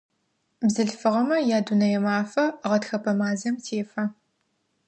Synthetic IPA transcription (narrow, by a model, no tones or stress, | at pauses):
bzɨɬfɨʁɐmɐjaːdunɐjɛmaːfɐʁɐtxɐpʰɐmaːzɐmtʰeːfɐ